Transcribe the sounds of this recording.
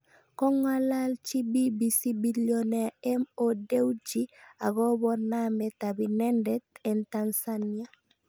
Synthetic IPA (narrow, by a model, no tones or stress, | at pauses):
koŋalalt͡ʃibibisibiloneemodewd͡ʒiaɡobonametabinendetentansania